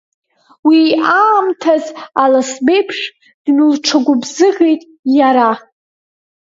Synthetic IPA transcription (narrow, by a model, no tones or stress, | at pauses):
wiːʔaːmtʰazalasbe̞jpʰʂ | d̥nɨlʈ͡ʂʰaɡʷʊbzɨʁejtʼ | jaɾa